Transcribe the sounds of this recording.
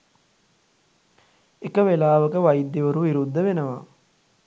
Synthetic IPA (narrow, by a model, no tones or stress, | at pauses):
ekəʋelaːʋəkəʋɐjid̪ːiʋəɾuʋiɾud̪ːəʋenəʋa